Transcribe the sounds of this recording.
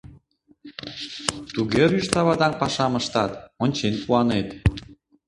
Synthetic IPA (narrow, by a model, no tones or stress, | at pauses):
t̪uɣeɾyʃt̪ɑβɑd̪ɑnpɑʃɑmə̆ʃt̪ɑt̪onʲt͡ɕenpuɑnet̪